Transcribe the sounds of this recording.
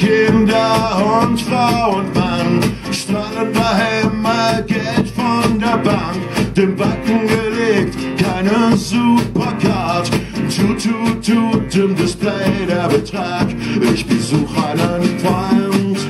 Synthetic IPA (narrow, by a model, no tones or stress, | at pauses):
kʰɪndɐʊnʁaʊənvan | ʃtʁaləndahɛmaɡ̥ɛltfɔndeːɐbaŋkd̥eːmbakŋ̩ɡəleːk̚t | kʰaɪnənzupɐkʰatt͡sut͡sutudɪmdɪsplɛɪdeɐbətʁ̥aːkɪçb̥əzuːxaɪnənfʁɔɪnt